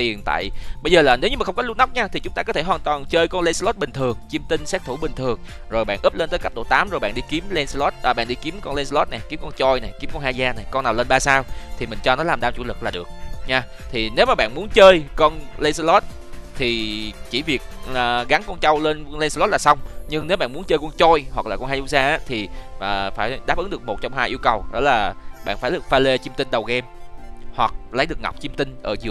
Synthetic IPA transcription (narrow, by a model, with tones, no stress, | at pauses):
t̪i˨˩ənt̪a̰ː˧˨jɓə˧jzəː˨˩laː˨˩ne˨˦wɲɨ˧aː˨˩xə˧ŋ͡mkɔ˨˦lu˧na˦˥wk͡p̚ɲaː˧t̪ʰi˨˩t͡ɕʊ˨˦ŋ͡mt̪aː˧kɔ˨˦t̪ʰe˧˩ɦwaː˨˩nt̪waː˨˩nt͡ɕəː˧jkɔ˧nle˧sa˧lo˦˥t̚ɓï˨˩ŋ̟t̪ʰɨ˨˩əŋt͡ɕi˧əmt̪i˧nsɛ˦˥k̚t̪ʰu˧˩ɓï˨˩ŋ̟t̪ʰɨ˨˩əŋ | zo˨˩jɓa̰ː˧˨ʔɨ˦˥p̚le˧nt̪əː˨˦jka˦˥p̚ɗo̰˧˩t̪aː˨˦mzo˨˩jɓa̰˧˨ɗi˧ki˨˦mle˧nsa˧lɔ˦˥t̚ʔəː˨˩ɓa̰ː˧˨nɗi˧ki˨˦əmkɔ˧nle˧ns̬a˧lɔ˦˥t̚na˨˩jki˨˦əkɔ˧nt͡ɕɔ˧jna˨˩jki˨˦mkɔ˧nhaː˧zaː˧na˨˩jkɔ˧nːaː˨˩wleː˧nɓaː˧saː˧wt̪ʰi˨˩mï˨˩ŋ̟t͡ɕɔ˧nɔ˨˦laː˨˩mɗaː˧mt͡ɕu˧˩lɨ˨˩k̚laː˨˩ɗɨ˨˩ək̚ɲaː˧ | t̪ʰi˨˩ne˨˦wmaː˨˩ɓa̰ː˧˨nmu˨˦ənt͡ɕəː˧jkɔ˧nlə˧jsə˧lɔ˦˥t̚ | t̪ʰi˨˩t͡ɕi˧˩˦vi˨˩ək̚əː˨˩ɣa˨˦ŋkɔ˧nt͡ɕa˧wle˧nlə˧jsa˧lɔ˦˥t̚laː˨˩sa˧wŋ͡mɲɨ˧ŋne˨˦wɓa̰ː˧˨nmu˨˦ənt͡ɕəː˧jkʊ̰˧nt͡ɕɔ˧jhwa˨˩k̚laː˨˩kɔ˧nhaː˧jzu˧˦saː˧ʔaː˨˦t̪ʰi˨˩əː˨˩faː˧˩jɗaː˦˥p̚ɨ˨˦ŋɗɨ˨˩k̚mo˨˩t̚t͡ɕɔ˧wŋ͡mhaː˧jʔi˧əwkə˨˩wɗɔ̰˨˦laː˨˩ɓa̰ː˧˨nfaː˧˩jɗɨ˨˩ək̚faː˧le˧t͡ɕi˧əmt̪ï˧nɗə˨˩wɣɛ˧mhwa˨˩k̚lə˨˦jɗɨ˨˩ək̚ŋa˨˩k͡p̚t͡ɕi˧mt̪ï˧ŋ̟ʔəː˧˩zɨ˨˩ə